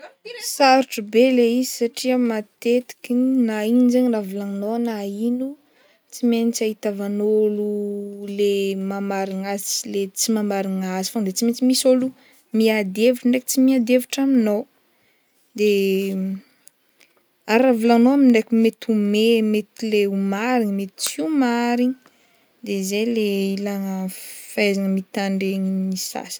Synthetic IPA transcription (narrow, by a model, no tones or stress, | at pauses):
kailisaɾuʈ͡ʂəbeleizisaʈ͡ʂiəmat̪et̪i̥kʲinainizeɲravulaŋnoanainu | t͡simenit͡saɦit̪avanolulemamaɾiŋasilet͡simamaɾiŋazi̥faŋd̪et͡simet͡simisolu | miad̪evuʈ͡ʂəɳɖ͡ʐeki̥t͡simiad̪eviʈ͡ʂaminow | d̪e | aɾavulanoaminɖ͡ʐekumet̪umemet̪ileumaɾiɲmet̪i̥t͡simaɾiɲi | d̪ezejleilaŋəfajzanəmit̪aɳɖ͡ʐeɲinisa̰sə̥